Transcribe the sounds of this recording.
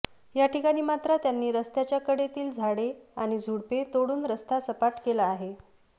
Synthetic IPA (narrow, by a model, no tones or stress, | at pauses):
jaʈʰikaɽ̃iːmat̪ɾət̪janːiːɾəst̪jat͡ɕjakəɽet̪iːld͡zʱaɽeaɽ̃id͡zʱuɽpet̪oɽuːnɾəst̪ʰasəpaʈkelaːɦe